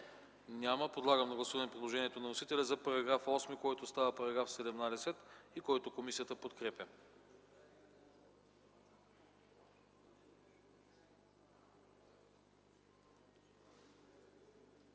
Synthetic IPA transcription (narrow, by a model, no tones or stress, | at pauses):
nʲaməpod̪lˠaɡəmd̪ɐɡlˠɐsuvənɛpɾid̪lˠoʒɛnʲiɛt̪onɐnosit̪ɛlʲɛzɐpɐɾɐɡɾafɔsmikɔjt̪ost̪avəpɐɾɐɡɾafsɛd̪ɛmnad̪ɛsɛt̪ikɔjt̪okomisijət̪əpot̪kɾɛpʲjə